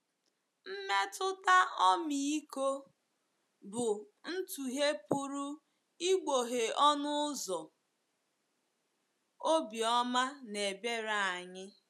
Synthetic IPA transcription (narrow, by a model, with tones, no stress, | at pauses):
m̩˦me˦tʰʊ˦ta˦ɔ˦mi˨i˦ko˦ | bʊ˨ | n̩˦tu˨ɦe˦pu˦ɾu˦ | i˦ɡ͡bo˨ɦe˨ɔ˦nʊ˦zɔ˨ | o˦bi˨ɔ˦ma˦ne˨be˦ɾa˨a˨ɲɪ˦